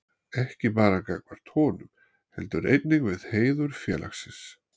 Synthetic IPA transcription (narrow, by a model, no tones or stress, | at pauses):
ɛhcɪpaːɾakakvaɾ̥t̪ʰɔːnʏm | hɛ̰lt̪ʏɾḛjt̪̚niŋkvɪðheːjðʏɾ̥fjɛ̰ːlʔa̰xsɪns